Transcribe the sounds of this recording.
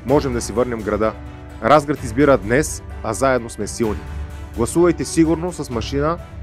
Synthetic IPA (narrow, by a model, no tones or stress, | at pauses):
mɔʒɛmd̪ɐsivɤɾnʲɛmvɡɾɐd̪a | ɾʔazɡɾət̪izbiɾəd̪nɛsazaɛd̪nosmɛsilˠniɡlˠɐsuvɐjt̪ɛsiɡuɾnosɐsmɐʃinə